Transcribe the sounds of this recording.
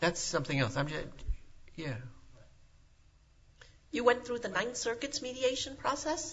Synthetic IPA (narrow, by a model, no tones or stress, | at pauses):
ðætsʌ̃mθɪ̃ŋɛlˠsãɪ̃md͡ʒʌ | jæ | jɨwɛ̃nθɹuðɨnãɪ̃nθsɜ˞kɨtsmiɾieɪʃɨ̃npʰɹ̥ɔsɛs